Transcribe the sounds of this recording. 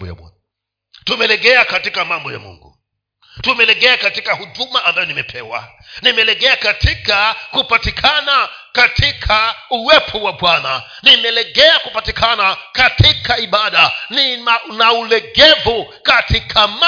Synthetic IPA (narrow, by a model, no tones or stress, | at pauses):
bɔja̰ɓwa̰n | tumɛlɛɠɛakatikamambɔja̰mṵŋɡṵ | tumɛlɛɠɛakatikahuɗumaʔambajɔnimɛpʰɛwa̰ | nimɛlɛɠɛakatʰikakupatikʰana | katʰikʰauwɛpʰɔwaɓwana | nimɛlɛɠɛakupatikʰanakatikaiɓaɗaninaulɛɠɛvukatikʰama